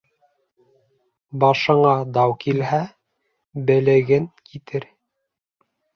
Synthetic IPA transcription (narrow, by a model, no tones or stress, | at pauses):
bɑʃɤ̆ɴɑd̪ɑwkilhæ | bɘ̆lɘ̆ɡɘŋkit̪ɘɾ